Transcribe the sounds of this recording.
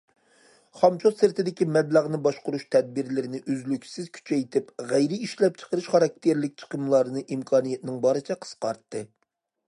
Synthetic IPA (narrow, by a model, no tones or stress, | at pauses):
χɑmt͡ʃʰolsɨɾt̪ɪd̪ɪkʲimɛblæʁnɨbɑʃqʊɾuʃt̪ʰɛd̪̚bɪɾlɪɾɪnɪʔøzlykʲsɪz̥kʲʰy̥t͡ʃʰɛjt̪ʰɪpʁæjɾɪiʃlɛp̚t͡ʃʰə̥qəɾɨʃχɑɾɑk̚ʲt̪ʰeɾlɪk̚ʲt͡ʃʰə̥qəmlˠɑɾnɨʔimkʰɑːnijɛt̪ɪnɪŋbɑɾɨt͡ʃʰɛqʰə̥sqɑ̰ɾt̪ːɨ